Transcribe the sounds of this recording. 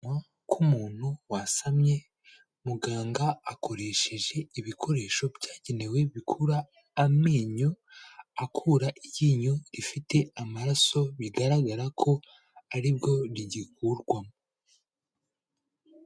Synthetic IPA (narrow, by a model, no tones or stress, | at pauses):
a | kʰumuːn̥huwasamɲe̞ | muɡaːŋɡaːkʰo̞ɾe̞ʃe̞ʒe̞iβikʰo̞ɾe̞ʃo̞bjaːɟene̞we̞βikʰuɾaː | miːɲuakʰuɾaʔijiːɲuɾifite̞amaɾaso̞βiɡaɾaɡaɾakʰo̞ | aɾibɟo̞ɾiɟikuɾɡwamo